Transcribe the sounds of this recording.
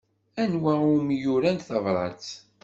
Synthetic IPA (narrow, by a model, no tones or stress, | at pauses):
ænwæʊmjʊɾænθɑvɾˤɑ̰t͡s